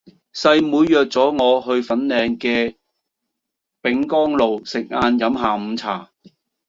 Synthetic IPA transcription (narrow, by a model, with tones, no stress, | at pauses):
sɐ˧jmuː˨˧jːœː˨˩k̚t͡sɔː˨˥ŋɔː˨˧ɦɵ˧ɥfɐ˨˥nlɛː˨˧ŋkɛː˧ | pɪ˨˥ŋkɔː˥ŋlo˨wsɪ˨k̚ŋaː˧njɐ˨˥mɦaː˨m̩˨˧t͡sʰa̰ː˨˩